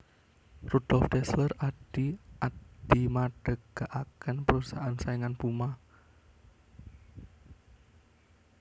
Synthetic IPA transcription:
rud̥ɔlft̪ɛsləraɖ̥iʔad̥imaɖ̥əɡ̥aʔakənpəɾusaʔansaiŋanpuma

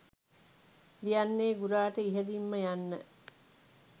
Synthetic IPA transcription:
d̪ijanːeːɡuɾaːʈəiɦelimːəjanːə

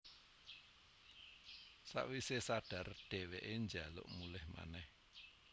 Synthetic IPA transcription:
sa̰ʔwisesaɖ̥a̤rd̥e̤weʔeɲd͡ʒalʊ̰ʔmulɪhma̰nɛh

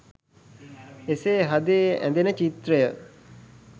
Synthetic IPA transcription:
eseːɦad̪eʔæ̰nd̪enət͡ʃit̪rəjə

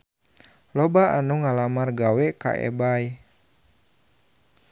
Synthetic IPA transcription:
lɔbaanuŋalamarɡawɛka̰ʔɛ̰baj

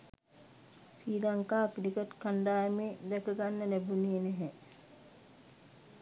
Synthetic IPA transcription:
siːlaŋkaːkilikət̪kanɖaːjəmeːd̪ɛkəɡanːəlæbuneːnɛɦɛ

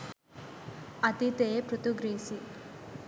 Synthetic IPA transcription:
ɐt̪it̪eːpɾut̪uɡɾiːsi

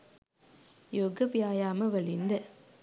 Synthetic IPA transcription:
joːɡɐpjaːjaːmɐʋɐɭɪnd̪ɐ

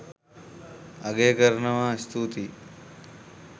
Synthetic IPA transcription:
ɐɡeːkɐɾɐnɐʋaːst̪ut̪i

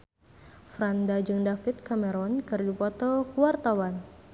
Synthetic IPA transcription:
fɾandad͡ʒuŋdafit̪̚kamɛɾɔnkərd͡ʒupɔt̪ɔkuwart̪awan

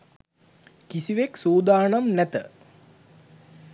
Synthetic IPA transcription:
kisiʋeksoːd̪aːnɐmnæt̪ə

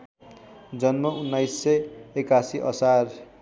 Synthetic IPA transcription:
d͡zʌnmʌʔunːajsːʌjekasiʔʌ̰sar

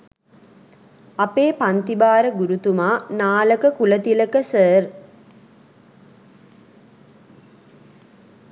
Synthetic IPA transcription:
apeːpant̪ibaːɾəɡuɾut̪umaːnaːləkəkulət̪iləkəsər

